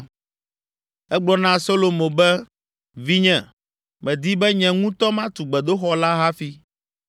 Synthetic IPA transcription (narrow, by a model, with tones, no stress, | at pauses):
ɛ˦ɡ͡blɔ˦nã˦so˦lo˨mõ˨bɛ˦ | vi˦ɲɛ̃˨ | mɛ̃˨d̪i˦bɛ˦ɲɛ̃˨ŋũ˦t̪ɔ˦mã˦t̪u˨ɡ͡bɛ˨d̪o˦xɔ˨˦la˦ɦa˦fi˦